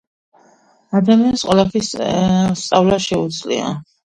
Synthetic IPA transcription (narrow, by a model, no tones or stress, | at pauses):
ad̪amiansqʼwɔlˠapʰisst̪sʼavlaʃɛud̪zlḭa̰